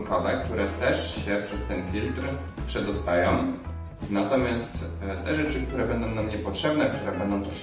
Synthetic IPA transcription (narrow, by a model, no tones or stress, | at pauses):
kɔvɛk̚t̪uɾɛt̪ɛʂɕɛpʂɛst̪ɛnfʲilt̪ɾ | pʂɛd̪ɔst̪ajɔ̃w̃ | nat̪ɔmʲjast̪ | t̪ɛʐɛt͡ʂɘkt̪uɾɛbɛnd̪ɔ̃w̃namɲɛpɔtʂɛbnɛk̚t̪uɾɛbɛnd̪ɔ̃w̃t̪ɔ